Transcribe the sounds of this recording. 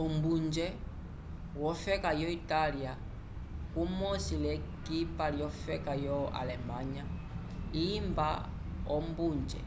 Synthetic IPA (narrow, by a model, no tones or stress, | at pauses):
ɔmbund͡ʒɛ | wɔfɛkajɔitalia | kumɔsilɛ | kipaljɔfɛkajɔa̰lɛmaɲa | imba̰ | ɔmbuɲd͡ʒɛ̰